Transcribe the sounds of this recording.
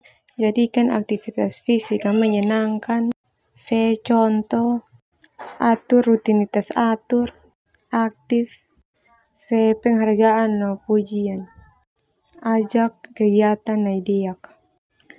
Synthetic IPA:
d͡ʒadikana̰k̚t̪ifit̪asfisikaməɲanaŋkan | fɛt͡ʃɔnt̪ɔ | ʔat̪urːut̪init̪asat̪ur | ak̚t̪if | sɛpɛŋhaɾɡaʔːnːɔpud͡ʒian | ad͡ʒak̚ːəɡiat̪anːaidɛak̚

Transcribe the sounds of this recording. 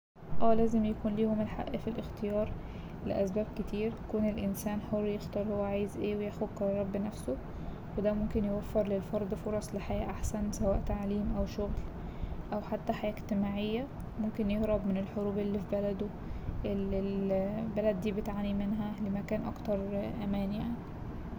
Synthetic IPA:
ʔæːlæːzemjækuːnliːhomelħa̰ʔːfilʔext̪ejɑːɾˤ | lḛʔæsbæːb̚ket̪iːɾt̪æ̥kuːnelʔɪnsæːnħorːjext̪ɑːɾˤhowʕajzʔeːwejæxod̪kɑɾˤrˤːɑbːnæfso | wed̪æmomkenjewæfːeɾˤlelfɑɾˤd̪ˤfoɾˤɑsˤleħajæːʔaħsænsæwæːʔt̪aʕliːmʔæwʃoɣl | ʔæwħat̪ːæħajæːʔeɡt̪emaːʕejːæ | momkenjehɾɑbmenelħoɾuːbʔelːifibælæd̪o | ʔelelbælæd̪ːiːbet̪ʕanimenɦælemækæːnʔɑ̰kt̪ɑɾˤʔæmæːnjaʕni

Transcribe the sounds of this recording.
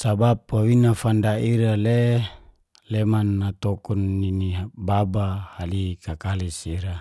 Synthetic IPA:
sabap̚ːawinafandaiɾale | lemanːat̪ɔkɔnːinibabahalikakalisiɾa

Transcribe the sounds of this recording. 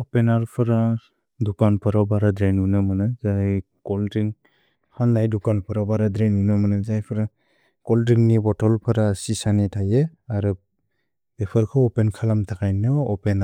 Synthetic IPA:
ɔpenaɾpʰɯɾa | dukanpʰɯɾabaɾadɾenunɯmɯnɯzaj | kɔldɾiŋ | hʰandajdukanpʰɯɾabaɾadɾenunɯmanɯzajpʰɯɾa | kɔldɾiŋnibɔtɔlpʰɯɾasisanitʰajeaɾɯ | epʰɯɾkʰɯɔpenkʰalamtʰakajnɯɔpena

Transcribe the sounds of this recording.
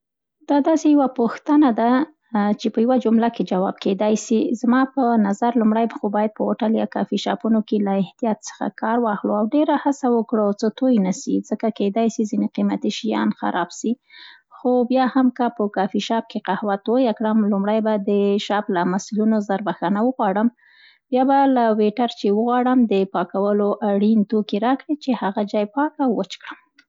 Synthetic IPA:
d̪̥ɑd̪ɑsejawapuxt̪ənad̪a | t͡ʃepəjawad͡ʒʊmlaked͡ʒawɑ̰b̚ked̪ɑjsizmɑpənazaɾlʊmɽajbxobɑjad̪̚pəoʈaljɑ̰kɑ̰fiʃɑ̰punokelaɪht̪ijɑt̪sə̥xa̰kɑɾwɑxɽuawɖeɾahasawəkɽət͡sət̪ojnasizəkaked̪ɑjsizineqimat̪iʃijɑ̰nxa̰ɾʔɑbsi | xobjɑhamkəpəkɑfiʃɑp̚keqahwat̪ojakɽəmlumɽajbad̪əʃɑplamasilunozaɾbaxanawəɣwɑɽəm | bjɑbalaweʈaɾt͡ʃewəɣwɑɽəmd̪əpɑkawəloʔaɽint̪okeɾɑkɽit͡ʃehaɣad͡ʒɑjpɑkawwət͡ʃkɽəm

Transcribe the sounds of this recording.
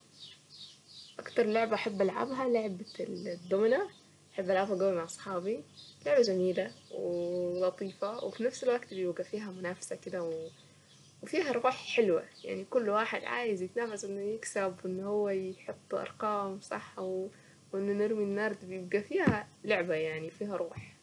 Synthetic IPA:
ʔakt̪ɑɾˤlʊʕbaʔaħabːalʕa̰bɦɑlʊʕbad̪ːʊmna | ʔaħabːʔalʕabhaɡ̪ʊːmaʕʔɑsˤħɑːbilʊʕbad͡ʒamiːlawlɑt̪ˤiːfɑwɪ̰finafsɪlwaɡt̪bjɪbɡafiːɦamʊnaːfsakɪd̪awɪ | wɪfiːɦaɾˤuːħħɪlwa̰ja̰ʕnikʊlːwaːħɪd̪ʕa̰ːjɪzjɪt̪naːfasʔɪnːʊjɪksabʔɪnːhʊwːajħot̪ˤːʔɑ̰ɾˤqɑːmsˤɑ̰ħːaw | wʔɪnːʊnɪɾminːɑɾˤd̪bjɪb̚ɡafiːhalʊʕbajaʕnifiːhaɾˤuːħ

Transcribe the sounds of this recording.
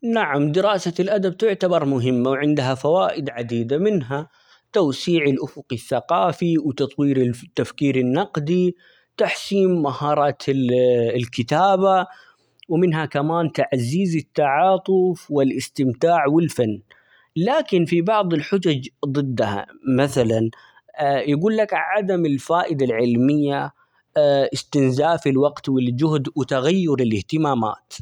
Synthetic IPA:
naʕamd̪ɪɾɑːsalʔad̪ab̚t̪ʊʕt̪abɑɾˤmʊɦɪmːawʕɪnd̪ɦafawaːʔɪd̪ʕad̪iːd̪amɪnɦa | t̪awsiːʕɪlʔʊfʊqɪθːaqɑːfiwt̪ɑt̪ˤwiːɾɪt̪ːafkiːɾɪnːɑqd̪i | t̪aħsiːmːahɑːɾˤɑːt̪ | lkɪt̪aːba | wmɪnɦakamaːnt̪aʕziːzɪt̪ːaʕɑːt̪ˤʊfwɪlʔɪst̪ɪmt̪aːʕwɪlfanː | laːkɪnfibɑʕðˤɪlħʊd͡ʒad͡ʒd̪ˤɨd̪ːha̰maθalan | jaɡuːlːakʕad̪amɪlfaːʔɪd̪alʕɪlmɪjːa | ʔɪst̪ɪnzaːfɪlwɑqt̪wɪld͡ʒʊhd̪wɪt̪aɣajːʊɾɪlɪht̪ɪmaːma̰ːt̪

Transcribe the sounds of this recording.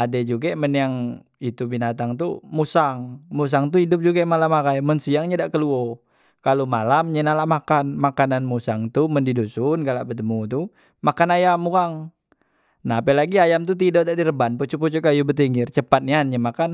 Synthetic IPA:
adɛd͡ʒuɡaməniaŋ | it̪ubinat̪aŋt̪umusaŋmus̬aŋt̪uhidʊp̚d͡ʒuɡamalamakajmənsiaŋɲadaʔkəluɔ | kalomalamɲənalaʔmakanmakananmusaŋt̪uməndidusunɡalaʔbət̪əmut̪u | makanajamuaŋ | naɦapəlaɡiajamt̪̬ut̪̬idodadiɾəbanput͡ʃuput͡ʃukajubət̪̬iŋɡɪrt͡ʃəpat̪̚nianɲəmakan

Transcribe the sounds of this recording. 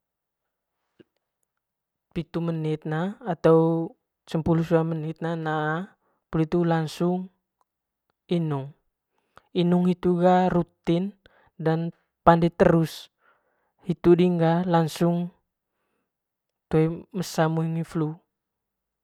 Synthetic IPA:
pit̪umənit̪̚naːt̪au | səmpulusuamənit̪̚nanaː | pulit̪ulaŋsuŋ | inuŋ | inuŋit̪uɡaɾut̪in | dan | pandɛt̪əɾus | hit̪udiŋɡalaŋsuŋ | t̪ɛməsamuiŋiflu

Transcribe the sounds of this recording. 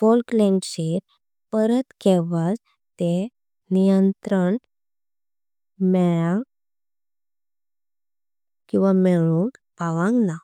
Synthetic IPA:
folklɛ̃ŋɕeɾ | pəɾət̪kɛʋad͡z | t̪e | nijənt̪ɾəɳ | mɛɭãŋɡ | kĩw̃ʋameɭunpaʋãŋɡna

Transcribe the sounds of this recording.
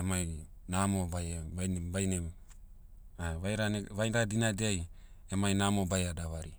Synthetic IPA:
emaj | namobajbajnebajnem | aβajɾaneβajndadinadeaj | emajnamobajadaβaɾi

